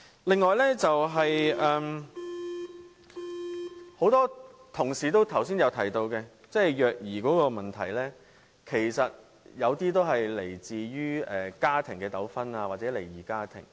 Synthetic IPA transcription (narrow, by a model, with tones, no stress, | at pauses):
lɪ˨ŋːɔː˨˧jlɛ˥t͡sɐ˨wɦɐ˨jɛː˨m | ho˨˥wt̪ɔː˥t̪ʰʊ˨˩ŋsiː˨t̪̬o˥wt̪ʰɐ˨˩wsiː˥njɐ˨˧wt̪ʰɐ˨˩jt̪o˧wkɛː˧ | t͡sɛː˥˩jjœː˨k̚jiː˨˩kɔː˨˥kɔː˧mɐ˨˩nt̪ʰɐ˨˩jlɛː˥ | kʰe˨˩jsɐ˨t̚ | jɐ˨˧wt̪iː˥t̪o˥wɦɐ˨jle˨˩jt͡siː˨ɥyː˥ɛː˨kaː˥t̪ʰɪ˨˩ŋkɛː˧t̪ɐ˨˥wfɐ˥naː˧waː˨t̚t͡sɛː˨˥le˨˩jjiː˨˩kaː˥t̪ʰɪ̰˨˩ŋ